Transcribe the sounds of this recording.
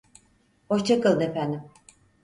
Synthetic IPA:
hoʃt͡ʃʰakɯlˠd̪ɯefænd̪im

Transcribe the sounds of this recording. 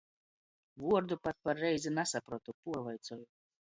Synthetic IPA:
vuɔɾd̪upat̪̚paɾːɛjzinasapɾuɔt̪upuɔvajt̪sɔju

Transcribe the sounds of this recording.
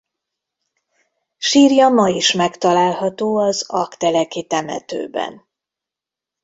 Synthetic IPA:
ʃiːrjɒmɒiʃmɛkt̪ɒlaːlhɒt̪oːɒzɒkt̪ɛlɛkit̪ɛmɛ̰t̪ø̰ːbɛ̰n

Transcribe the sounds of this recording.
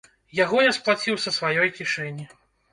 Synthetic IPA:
jaɣɔnʲɛsplˠat͡sʲiwsɐsvajɔjkʲiʂɛnʲːi

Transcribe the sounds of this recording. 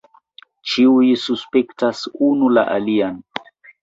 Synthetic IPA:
t͡ʃiujsuspektasunula̰ʔalian

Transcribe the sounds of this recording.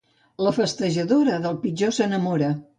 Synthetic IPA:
ləfəst̪əʒəðoɾəðəlˠpid͡ʒosənəmoɾə

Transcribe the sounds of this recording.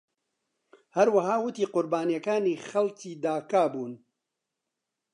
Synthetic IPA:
hɐɾwɐɦaːwʊt̪iːqʊɾbaːnijɐkaːniːxɐlt͡ʃiːd̪aːkaːbuːn

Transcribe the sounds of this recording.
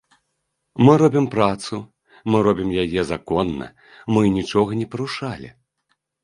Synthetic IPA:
mɨɾɔbʲimpɾat̪su | mɨɾɔbʲimjajɛzakɔnːɐ̰ | mɨnʲit͡ʂɔɣɐnʲɛpɐɾuʂalʲḭ

